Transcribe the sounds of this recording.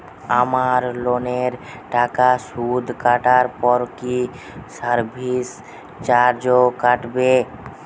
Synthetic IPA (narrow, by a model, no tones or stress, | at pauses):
amaɾloneɾ | ʈakasud̪ʱkaʈaɾpɔɾki | səɾbʱis | t͡ɕaɾd͡ʑokaʈbe